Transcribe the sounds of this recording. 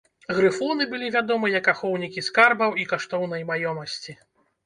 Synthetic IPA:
ɣɾɨfɔnɨbɨlʲivʲad̪ɔmɨjɐkaxɔwnʲikʲiskarbɐwikaʂt̪ɔwnɐjmajɔmɐsʲt͡sʲi

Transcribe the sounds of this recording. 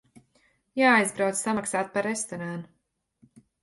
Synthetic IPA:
jaːajzbɾawt̪ssamaksaːt̪̚paɾest̪ɔɾaːnu

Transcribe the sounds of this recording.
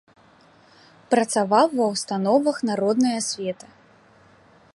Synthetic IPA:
pɾɐt̪savawːɐwst̪an̪ɔvɐxnaɾɔd̪nɐjɐsʲvʲɛt̪ɐ

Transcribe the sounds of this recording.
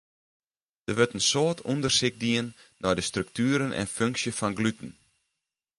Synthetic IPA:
d̥əʋøtənsoːtʰundərsɪɡ̚diənːɔjdəstrøk̚tyːəɾənʔɛ̰nføŋksjəfɔnɡlytn̩

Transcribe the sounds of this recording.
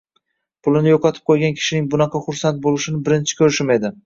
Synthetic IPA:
pʰʊlˠɪnɪjoqʰɑt̪ʰɪ̥p̚qʰojɡʲankʲʰɪ̥ʃɪnɪŋbʊnɑqʰɑχʊɾsant̪̚bolˠɪʃɪnɪbɪɾɪnt͡ʃʰɪ̥kʲʰɵɾɪʃɪmed̪ɪ

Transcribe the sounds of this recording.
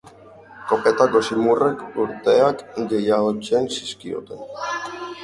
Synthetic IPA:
ko̞pet̪ako̞simurekuɾt̪eakɡejaot͡ʃensiskio̰t̪ḛn

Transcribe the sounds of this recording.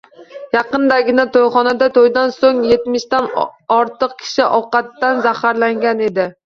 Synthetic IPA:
jɑqɨnd̪aɡʲɪnat̪ʰojχɒnad̪at̪ʰojd̪ansoŋjet̪mɪʃt̪anɒɾt̪ɨq̚kʲʰɪ̥ʃɪʔɒwqɑt̪ːanzahaɾlaŋɡʲaned̪ɪ

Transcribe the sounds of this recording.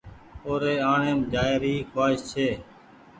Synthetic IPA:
oːɾeːaːɳeːmd͡ʒaːɪɾiːkʰaːɪst͡ʃʰeː

